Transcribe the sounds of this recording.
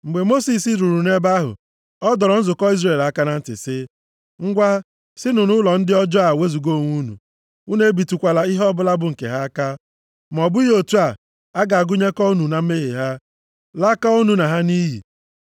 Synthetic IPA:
ŋ͡m̩˨ɡ͡be˨mo˦si˨s̬i˦sɾu˨ɾu˨ne˦ba˦ɦʊ̰˨ | ɔ˦dɔ˨ɾɔ˨n̩˦zʊ˨kɔ˦i˦zre˨la˦ka˦na˦n̩˦tɪ̰˨sɪ˦ | ŋ̩˦ɡʷa˦ | sɪ˦nʊ˨nʊ˦lɔ˨n̩˦dɪ˦ɔ˦d͡ʒɔ˦a˨we˦zu˨ɡo˦˨ŋʷu˦nṵ˨ | u˦ne˦bi˨tu˨kʷa˨la˨i˦ɦɔ˦bʊ˦la˦bʊ˨ŋ̩˨kḛ˨ɦa˦ka˦ | m˨ɔ˨bʊ˦i˦ɦo˨tu˦a˨ | a˦ɡa˨a˨ɡʊ˦ɲe˦kɔ˦nu˨na˦m̩˦me˦ɦḛ˨ɦa˦ | la˦ka˦o˦nu˨na˨ɦa˦ni˦ɦḭ˨

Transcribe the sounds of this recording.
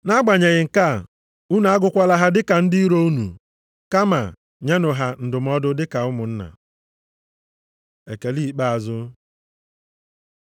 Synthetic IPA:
na˦ɡ͡ba˨ɲe˨ɣɪ˨ŋ̩˨ka˦ | u˦na˨a˦ɡʊ˦kʷa˦la˦ɦa˦dɪ˦ka˨n̩˦di˦i˦ɾo˦u˦nṵ˨ | ka˦ma̰˨ | ɲe˦nʊ˨ɦa˨n̩˨dʊ˨m̩˦ɔ˦dʊ˦dɪ˦ka˨ʊ˦mʊ˨n̩˦na̰˨ | e˨ke˨li˦˨k͡pa˦a˨zʊ˦

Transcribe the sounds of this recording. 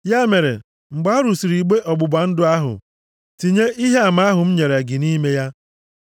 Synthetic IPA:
ja˦me˨ɾḛ˨ | ŋ͡m̩˨ɡ͡ba˨˦ɔ˦ɾu˨si˨ɾi˨ɡ͡be˦ʔɔ˨ɡ͡bʊ˨ba˨n̩˦dʊ˦a˦ɦʊ̰˨ | ti˨ɲe˦ʔi˦ɦe˦a˨ma˨a˦ɦʊ˨m̩˦ɲe˨ɾe˨ɡɪ˨ni˦me˦ja˦

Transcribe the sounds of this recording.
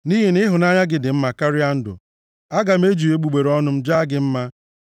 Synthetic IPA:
ni˦ɦe˨nɪ˦ɦʊ˨na˦ɲa˦ɡɪ˨dɪ˨m̩˦ma˨ka˦ɾɪ˦a˦n̩˦dʊ̰˨ | a˦ɡa˨m̩e˦d͡ʒu˨e˦ɡ͡bu˨ɡ͡be˨ɾɔ˦nʊ˦m̩˦d͡ʒa˦ɡɪ˨m̩˦ma˦

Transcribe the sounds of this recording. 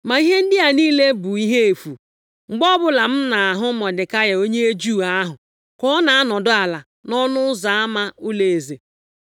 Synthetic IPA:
ma˨i˦ɦe˦n̩˦dɪ˦a˨niː˦le˦bʊ˨i˦ɦe˦e˨fu˨ | ŋ͡m̩˨ɡ͡bɔ˦bʊ˦la˨m̩˦na˨a˨ɦʊ˦mɔ˨dɪ˨ka˦ja˨o˦ɲe˦e˦d͡ʒu˦˨a˦ɦʊ˨ | kɔ˦na˨a˦nɔ˨dʊ˦a˨la˨ | nɔ˦nʊ˦ʊ˦za˨a˦ma˦ʊ˦le˨e˨ze˨

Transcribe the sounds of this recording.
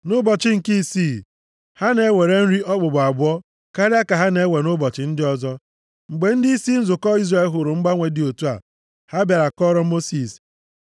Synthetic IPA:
nʊ˦bɔ˨t͡ʃɪ˦ŋ̩˨ki˦siː˦˨ | ha˦ne˦we˨ɾe˦n̩˦ɾi˦ʔɔ˦k͡pʊ˨ɡ͡ba˨bʊ˦ɔ˦ | ka˦ɾɪ˦a˦ka˨ɦa˦ne˨˦we˨nʊ˦bɔ˨t͡ʃɪ˨n̩˦dɪ˦ɔ˦zɔ˦ | ŋ͡m̩˨ɡ͡be˨˦n̩˦di˦i˦si˦n̩˦zʊ˨kɔ˦i˦zɾe˨˦lɦʊ˨ɾʊ˨ŋ͡m̩˦ɡ͡ba˦ŋʷe˨dɪ˨o˨tu˦a̰˨ | ha˦bja˨ɾa˨kɔ˦ɾɔ˦mo˦si˨s

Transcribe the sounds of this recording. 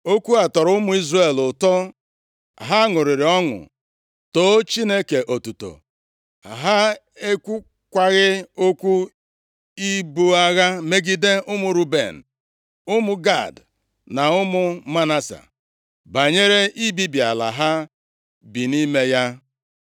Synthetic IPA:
o˦kʷu˦a˨tɔ˨ɾʊ˦mʊ˦i˦zɾe˨lʊ˨tɔ˦ | a̰˨ɦa˦ŋʊ˨ɾɪ˨ɾɪ˨ɔ˦ŋʊ̰˨ | to˨˦t͡ʃi˦ne˦ke˨ʔo˨tu˨to̰˨ | a̰˨ɦa˦ | e˦kʷu˦ | kʷa˦ɣɪ˦o˦kʷu˦ | i˦bu˦a˦ɣa˦me˦ɡi˦de˦ʔʊ˦mʊ˨ɾu˦bḛ˨n̩˨ | ʊ˦mʊ˨ɡa̰˦˨d | na˨ʊ˦mʊ˦ma˦na˦sa̰˨ | ba˨ɲe˦ɾe˦i˦bi˦bi˨a̰˨la̰˨ɦa˦ | bi˨ni˦me˦ja˦

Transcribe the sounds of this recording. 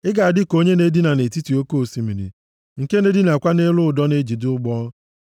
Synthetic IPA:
ɪ˦ɡa˨a˨dɪ˦ko˦ɲe˦ne˦di˦na˨ne˨ti˦ti˨o˦ko˦˨si˨mi˨ɾḭ˨ | ŋ̩˨ke˦ne˦di˦na˨kʷa˦ne˦lʊ˦ʊ˨dɔ˦ne˦d͡ʒi˨dʊ˦ʊ˦ɡ͡bɔ˦

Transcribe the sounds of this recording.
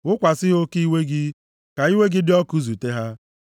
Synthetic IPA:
ʊ˦kʷa˨sɪ˦ɦo˦ki˦we˦ɡɪ˦ | ka˨i˦we˦ɡɪ˦dɪ˦ɔ˦ku˦zu˨te˦ɦa˦

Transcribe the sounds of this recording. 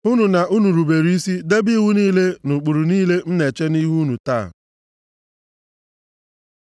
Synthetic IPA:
ʊ˦nu˨na˨ʔu˦nu˨ɾu˨be˨ɾi˦i˦si˦de˦bi˦wu˦niː˦le˦nʊ˨k͡pu˨ɾu˨niː˦le˦n̩˦ne˨t͡ʃe˦ni˦ɦu˦nu˨ta̰ː˦˨

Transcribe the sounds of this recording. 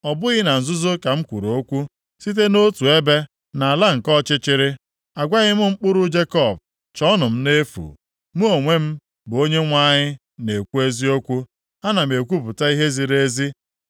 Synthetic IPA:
ɔ˨bʊ˦ɣɪ˦na˨n̩˨zʊ˦zo˦ka˨m̩˦kʷu˨ɾo˨o˦kʷu˦ | si˦t̬e˦no˦tu˨e˦be˦ | na˨a˨la˦ŋ̩˨kɔ˦t͡ʃɪ˦t͡ʃɪ˦ɾɪ˦ | a˨ɡʷa˦ɣɪ˦mʊ˦ŋ͡m̩˦k͡pʊ˦ɾʊ˦d͡ʒe˦kɔ˦˨b̚ | t͡ʃɔ˦nʊ˨m̩˦ne˦fṵ˨ | mu˦o˨ŋʷe˦m̩˦ | bʊ˨o˦ɲe˦ŋʷa˦ɲɪ˦ | ne˨kʷu˦e˦zi˦o˦kʷu˦ | a˦na˨m̩e˨kʷu˦pʊ˨ta˦i˦ɦe˦zi˨ɾe˦zi˦

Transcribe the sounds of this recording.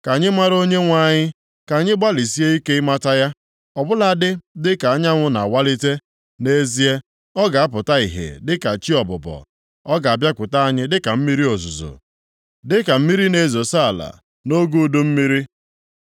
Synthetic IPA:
ka˨ɲɪ˦ma˦ɾo˦ɲe˦ŋʷa˦˨ɲɪ˦ | ka˨ɲɪ˦ɡ͡ba˦li˨si˦e˦i˦ke˦ɪ˦ma˦ta˦ja˦ | ɔ˨bʊ˦la˨dɪ˦dɪ˦ka˨a˦ɲa˦ŋʷʊ˦na˨a˨wa˦li˦te˦ | ne˦zi˦e˦ | ɔ˦ɡa˨a˦pʊ˨ta˦i˨ɦḛ˨dɪ˦ka˨t͡ʃi˦ɔ˨bʊ˨bɔ̰˨ | ɔ˦ɡa˨a˨bja˦kʷʊ˨ta˦a˨ɲɪ˦dɪ˦ka˨m̩˦mi˦ɾi˦o˨zu˨zo̰˨ | dɪ˦ka˨m̩˦mi˦ɾi˦ne˨zo˨sa˦a˨la̰˨ | no˦ɡu˦˨du˦m̩˦mi˦ɾi˦

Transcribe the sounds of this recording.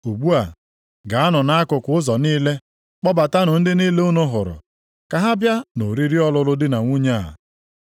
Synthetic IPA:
u˨ɡ͡bu˦a˨ | ɡa˨a˦nʊ˨na˦a˦kʊ˨kʷʊ˦ʊ˦zɔ˨niː˦le˦ | k͡pɔ˦ba˨ta˦nʊ˨n̩˦dɪ˦ni˦le˦o˦nʊ˦ɦʊ˨ɾʊ̰˨ | ka˨ɦa˦bja˦no˨ɾi˦ɾi˦ɔ˦lʊ˦lʊ˦dɪ˦na˨ŋʷu˦ɲe˦˨a̰˨

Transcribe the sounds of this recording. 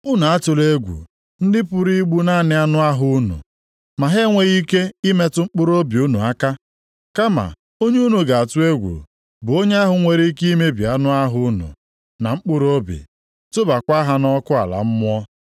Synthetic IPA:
ʊ˦na˨a˦tʊ˨le˦ɡʷṵ˨ | n̩˦dɪ˦pʊ˨ɾi˦ɡ͡bu˦na˦nɪ˦a˦nʊ˦a˦ɦʊ˦nṵ˨ | ma˨ɦe˦ŋʷe˨˦ɣi˦ke˦i˦me˦tʊ˦ŋ͡m̩˦k͡pʊ˦ɾo˦bi˨u˦nu˨a˦ka˦ | ka˦ma̰˨ | o˦ɲe˦u˦nu˨ɡa˨a˨tʊ˦e˦ɡʷṵ˨ | bʊ˨o˦ɲe˦a˦ɦʊ˨ŋʷe˨ɾi˦ki˦me˦bḭ˨a˦nʊ˦a˦ɦʊ˦nʊ̰˨ | na˨ŋ͡m̩˦k͡pʊ˦ɾo˦bḭ˨ | tʊ˦ba˨kʷa˦ɦa˦nɔ˦kʊ˦a̰˨la̰˨m̩˦mʊ˦ɔ˦

